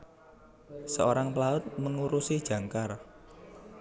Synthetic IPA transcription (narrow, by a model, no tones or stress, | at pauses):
səoɾaŋplaʊt̪̚məŋuɾusid̥ʒ̥ä̤ŋkar